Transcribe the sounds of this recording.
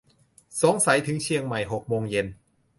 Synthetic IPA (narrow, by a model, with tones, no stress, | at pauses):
so˨˦ŋsa˩˦jt̪ʰɯ˩˦ŋt͡ɕʰi˧əŋma˨˩jɦo˨˩k̚moː˧ŋje˧n